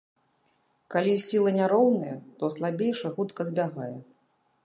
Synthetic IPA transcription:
kalʲisʲilˠɐnʲaɾɔwnɐjɛt̪ɔslˠabʲejʂɐɣut̪kɐzʲbʲaɣajɛ

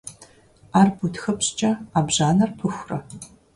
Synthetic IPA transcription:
aːrbutxɐpɕt͡ʃʼɐaːbʑaːnɐrpʰɨxʷrɐ

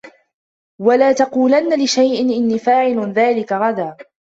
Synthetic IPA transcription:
walaːt̪ɑquːlanːalɪʃajʔɪnʔɪnːiːfaːʕɪlðaːlɪkaɣɑd̪aː

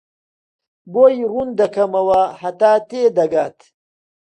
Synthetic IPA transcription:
boːjrund̪ɐkʰɐmɐwɐhɐt̪aːt̪eːd̪ɐɡaːt̪

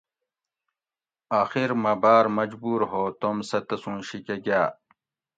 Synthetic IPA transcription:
aːxiɾmɐbaːɾmɐd͡ʑbuːɾɦoːt̪omsɐt̪ɐsũːnɕikeɡaː

